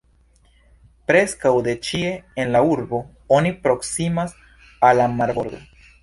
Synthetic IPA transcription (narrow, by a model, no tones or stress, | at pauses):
pɾe̞skawd̪e̞t͡ʃie̞enlauɾbo̞ | onipɾo̞ksimas | alamaɾboɾɡo̰